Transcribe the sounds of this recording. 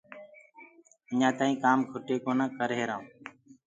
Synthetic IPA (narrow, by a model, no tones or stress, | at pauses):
əɲãːt̪aːĩːkaːmɡʱʊʈeːkoːnãːkəɾɦeːɾãːũː